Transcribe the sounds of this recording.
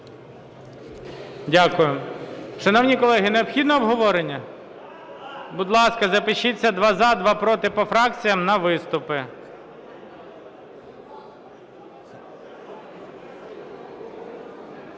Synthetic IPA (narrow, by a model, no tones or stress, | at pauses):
dʲakʊjʊʃɐnɔwnʲikɔlˠɛɦɪneɔpxʲid̪nɔːbɦɔʋɔɾenʲːɐ | bʊd̪lˠɑskɐzɐpɪʃit͡sʲːɐd̪ʋɑzɑd̪ʋɑpɾɔt̪ɪpɔfɾɑk̚t͡sʲijɐmnɐʋɪst̪ʊpɪ